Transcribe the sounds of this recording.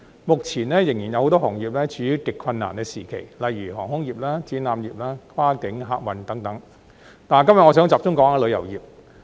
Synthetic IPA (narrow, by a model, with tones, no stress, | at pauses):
mʊ˨k̚t͡sʰiː˨˩nlɛː˥jɪ˨˩ŋjiː˨˩njɐ˧who˨˧wt̪ɔː˥hɔː˨˩ŋjiː˨p̚lɛː˥t͡ʃyː˨˥jyː˨˧˥wkɪ˨kʰwɐ˧nːa̰ː˨˩nkɛː˧siː˨˩kʰe˨˩jlɐ˨jɥyː˨˩ɦɔː˨˩ŋhʊ˥ŋjiː˨˩p̚laː˥t͡siː˨˥naː˨˧mjiː˨p̚laː˥kʰaː˥kɪ˨˥ŋɦa̰ː˧k̚wɐ˨˧nt̪ɐ˨˥ŋt̪ɐ˨˥ŋ | t̪aː˨nkɐ˥mjɐ˨tŋɔː˨˧sœː˨˥ŋt͡saː˨p̚ʊ˥ŋkɔː˨˥ŋaː˧lɵ˨˧jɐ̰˨˩wjiː˨p̚